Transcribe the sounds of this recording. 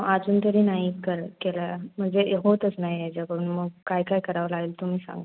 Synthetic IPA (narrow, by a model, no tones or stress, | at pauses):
ad͡zuːnt̪əɾiːnaɦikəɾkelam̤əɳd͡zeɦot̪ət͡snaɦiad͡ʑakəɾuːnməɡ̚kajkaɦikəɾaʋlaeːlt̪um̤iːsã̰ŋɡ